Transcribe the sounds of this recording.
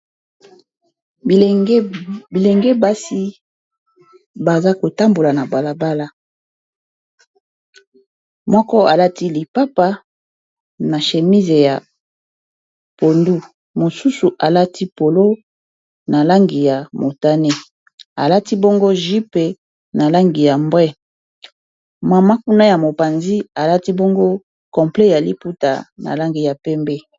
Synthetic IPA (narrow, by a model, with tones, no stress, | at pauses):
bi˨le˨ŋɡe˦ba˦si˦ | ba˨za˦ko˨ta˦mbo˨la˨na˨ba˨la˨ba˦la˦ | mɔ˦kɔ˦a˨la˦ti˦li˨pa˦pa˦ | na˨ʃe˨mi˦ze˨ja˨ | po˨ndu˦ | mo˨su˦su˨ʔa˨la˦tʰi˦po˨lo˦ | na˨la˦ŋɡi˨ja˨mo˨ta˦ne˦ | a˨la˦ti˦bɔ˦ŋɡo˦ʒi˦pe˨ | na˨la˦ŋɡi˨ja˨mbʁɛ˦ | ma˨ma˦ku˦na˦ja˨mo˨pa˨nzi˦a˨la˦ti˦bo˦ŋɡo˦ | kɔ˨mple˦ja˨li˦pu˦ta̰˨na̰˨la˦ŋɡi˨ja˨pɛ˦mbe˦